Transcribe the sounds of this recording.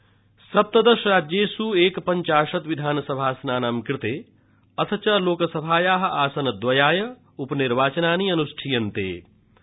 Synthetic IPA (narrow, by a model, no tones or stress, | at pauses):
sɐp̚t̪ɐd̪ɐʃɾaːd͡ʒjeːsuːeːkpɐɲt͡ʃaːʂɐt̪ʋid̪ʱaːnɐsɐbʱaːsnaːnaːmkɾɪt̪eː | ɐt̪ʰɐt͡ʃɐloːkɐsɐbʱaːjaːɦɐ̆ʔaːsɐnɐd̪ʋɐjaːjɐ | upɐniɾʋaːt͡ʃɐnaːniːɐnusʈʰijɐnt̪ḛː